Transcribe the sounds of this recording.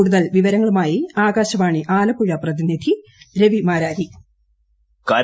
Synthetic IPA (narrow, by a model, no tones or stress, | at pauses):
uːɽuðɐlʋiʋɐɾɐŋːɐɭumaːjiaːɡaːɕɐmaːɳiʔaːlɐpuɻɐprɐðinid̪ʱiɾe̞ʋimaːɾaːɾi | kɐ